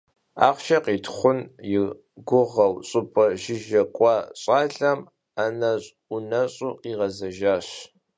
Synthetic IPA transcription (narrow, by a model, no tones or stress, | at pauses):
a̰ːχʷʃɐqiːtʰχʷʊnjɪ | ɡʷʊʁɐwɕʼɨpʼɐʒɪʒɐkʷʼɑːɕʼɑːɮɐm | anɐɕʼ | ʊnɐɕʼʊqiːʁɐzɐʒaːɕ